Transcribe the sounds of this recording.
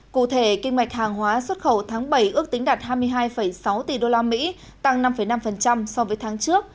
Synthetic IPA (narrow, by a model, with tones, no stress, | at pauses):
kṵ˧˨t̪ʰe˧˩kï˧ŋ̟wa˨˩jk̟̚haː˨˩ŋɦwaː˨˦swə˦˥t̚xə˧˩wt̪ʰaː˨˦ŋɓə˧˩jʔɨ˦˥ək̚t̪ŋ̟ɗaː˨˩t̚ɦaː˧jmɨ˧əjɦaː˧jfə˧˩jsa˨˦wt̪i˨˩ɗo˧laː˧mḭ˧˥ | t̪a˧ŋna˧mfə˧˩jna˧mfə˨˩nt͡ɕa˧msɔ˧vəː˨˦jt̪ʰaː˨˦ŋt͡ɕɨ˦˥ək̚